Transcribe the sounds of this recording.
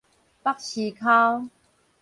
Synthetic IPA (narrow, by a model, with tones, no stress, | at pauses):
pa˦˥k̚ɕi˨kʰa˦w